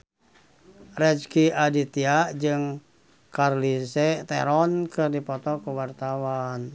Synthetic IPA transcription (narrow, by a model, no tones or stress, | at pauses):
rɛd͡ʒkiadit̪iaʔd͡ʒɨŋ | karlisɛt̪ɛ̰ɾɔnkɨrdipɔt̪ɔkuwart̪awan